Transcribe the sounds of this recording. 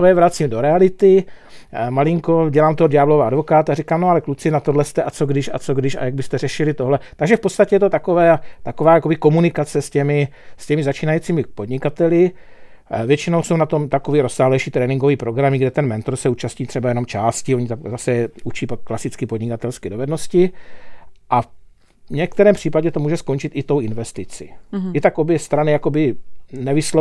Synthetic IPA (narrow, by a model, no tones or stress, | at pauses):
t̪ojɛvɾat͡siːmdo̞ɾɛalɪt̪ɪ | malɪŋko̞ɟɛlaːmt̪odaːblo̞vaadvo̞kaːt̪arɪkaːmnoalɛklut͡sɪnat̪odlɛst̪ɛʔat͡soɡdɪʃa̰t͡soɡdɪʃa̰jaɡ̚bɪst̪ɛrɛʃɪlɪt̪oɦlɛt̪aɡʒɛfpott͡sst̪acɛjɛt̪ot̪akovɛːat̪akovaːjakobɪko̞munɪkat͡sɛscɛmɪscɛmɪzat͡ʃiːnajiːt͡siːmɪpo̞dɲɪkat̪ɛlɪ | vjɛt͡ʃɪno̞wsownat̪o̞mt̪akoviːɾo̞sːaːɦlɛjʃiːt̪ɾɛːnɪiŋɡo̞viːpɾo̞ɡɾamɪɡdɛt̪ɛnmɛnt̪oɾsɛuːt͡ʃasɲiːt̪r̥ɛbajɛno̞mt͡ʃaːscɪoɲit̪azasɛɛut͡ʃiːpakːlasɪt͡skɪpodɲɪkat̪ɛlskɛdo̞vɛdno̞scɪ | ʔa | ɲɛkt̪ɛɾɛːmpr̝̥iːpaɟɛt̪o̞muːʒɛsko̞nt͡ʃɪt̪ʔɪt̪o̞wɪnvɛst̪ɪt͡sḭɪt̪akʔo̞bjɛst̪ɾanɪjako̞bɪnɛvɪslo